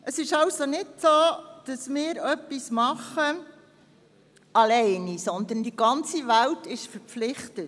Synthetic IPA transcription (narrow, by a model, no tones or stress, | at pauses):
əsɪʃɑwsonɪdsoːd̥ɑsmɪːɾœpːismɑχə | ɑlɛɪnisɔnd̪əndiɡɑnt͡siʋæltɪʃfəɾpflɪχtət